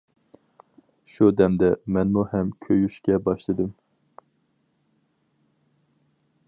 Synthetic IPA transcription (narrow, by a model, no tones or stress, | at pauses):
ʃud̪ɛmd̪ɛmɛnmuhɛmkʲʰøjyʃkʲɛbɑʃlˠɨd̪ɨm